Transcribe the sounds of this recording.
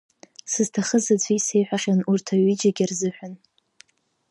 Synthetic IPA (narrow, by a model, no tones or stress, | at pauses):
sɨztʰaχəzat͡sʷʰise̞jħʷᶣaχʲanurtʰaɥid͡ʒaɡʲarzɨħʷᶣan